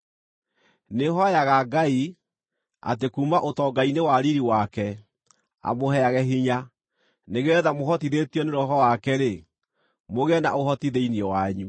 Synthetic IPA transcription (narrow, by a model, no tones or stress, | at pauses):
neɦɔjaɣaɡai | a̰tekumaʔotɔɡainewaɾiɾiwakɛ | a̰mohɛaɣɛɦiɲa | neɣɛðamoɦɔtiðetiɔneɾɔɦɔwakɛɾe | moɣɛna̰ʔohɔtiðeiniɔwaɲu